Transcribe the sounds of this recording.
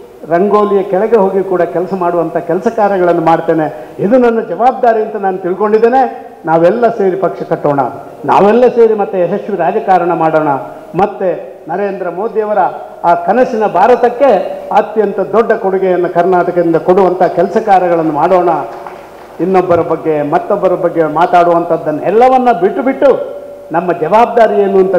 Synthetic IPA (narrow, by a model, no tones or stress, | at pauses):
ɾɐŋɡoːlijɐkɛɭɛɡe̞ɦo̞ːɡikuːɽɐkɛlɐsɐmaːɽuʋɐnt̪ʰɐɦkɛlɐsɐkaːɾɐɡɐɭɐnːumaːɽt̪e̞ːne̞id̪unɐnːɐd͡ʒɐʋaːb̚d̪aːɾijɐnt̪ɐnaːnut̪iɭko̞ɳɖid̪ːeːne̞ | naːʋɛlːɐse̞ːɾipɐkʂɐkɐʈːoːɳɐ̰ | na̰ːʋɛlːɐse̞ːɾimɐt̪ːuɛsɐsʋiɾaːd͡ʒɐkaːɾɐɳɐmaːɽoːɳɐ | mɐt̪ːe | nɐɾe̞ːnd̪ɾɐmo̞ːd̪ijɐʋɐɾɐ | aːkɐnɐsinɐbʱaːɾɐt̪ɐkːe̞ɐt̪jɐnt̪ɐd̪ɔɖːɐkoɽuɡɛjɐnːɐkɐɾnaːʈɐkɐɾind̪ɐkoɽuʋɐnt̪ʰɐkɛlɐsɐkaːɾɐɡɐɭɐnːumaːɽoːɳɐ | inːobːɐɾɐbɐɡːe̞mɐt̪ːɔbːɐɾɐbɐɡːe̞maːt̪aːɽuʋɐnt̪ʰɐd̪ːɐnːɐɛlːɐʋɐnːɐbiʈːubiʈːu | nɐmːɐd͡ʒɐʋaːb̚d̪aːɾijenːuɐnt̪ɐ